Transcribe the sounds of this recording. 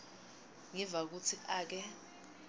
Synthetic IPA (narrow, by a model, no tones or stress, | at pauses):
ŋɛvak̬ut͡sʰiʔaːk̬ɛ